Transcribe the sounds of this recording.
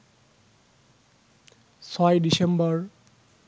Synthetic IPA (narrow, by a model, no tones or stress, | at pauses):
sɔjdisembɔɹ